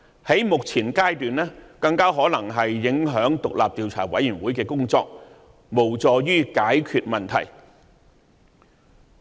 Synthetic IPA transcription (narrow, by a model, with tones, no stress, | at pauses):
hɐ˨˥jmʊ˨k̚t͡sʰiː˨˩nkaː˥jt̪yː˨nlɛː˥kɐ˧ŋkaː˥ɦɔː˨˥nɐ˨˩ŋɦɐ˨jːɪ˨˥ŋɦœː˨˥ŋt̪ʊ˨k̚la̰ː˨p̚t̪iː˨wt͡sʰa̰ː˨˩wɐ̰˨˥jyː˨˩nwuː˨˥jkɛː˧kʊ˥ŋt͡sɔː˧k̚ | mo˨˩wt͡sɔː˨˧jyː˥kaː˨˥jkʰyː˧t̚mɐ˨nt̪ʰɐ̰˨˩j